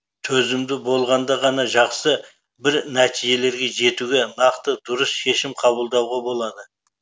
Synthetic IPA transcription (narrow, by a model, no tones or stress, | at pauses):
t̪ʰɵzɪmd̪ɪbo̞lˠʁɑnd̪ɑʁɑnɑʒɑqsə | bɪɾnæt̪ʰiʒe̞le̞ɾɡʲe̞ʒe̞t̪uɡʲe̞nɑqt̪əd̪ʊɾəsʃe̞ʃɪmqʰɑbəlˠd̪ɑwʁɑbo̞lˠɑd̪ə